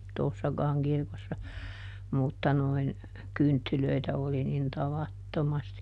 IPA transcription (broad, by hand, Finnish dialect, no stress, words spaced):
toˑsːɑkɑːŋ kirkosːɑ mutːɑ noin kyntːyløitæ oli nin tɑʋɑtːomɑsti